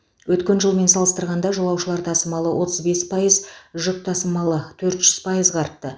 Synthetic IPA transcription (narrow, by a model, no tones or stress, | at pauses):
wɵt̪kʲe̞nʒəlˠme̞nsɑlˠəst̪əɾʁɑnd̪ɑʒolˠɑwʃəlˠɑɾt̪ʰɑsəmɑlˠəwʔo̞t̪əzbe̞spʰɑjəzʒʏp̚t̪ʰɑsəmɑlˠət̪ʰɵɾt̪ʒ̥ʏz̥pʰɑjəzʁɑɾət̪ːə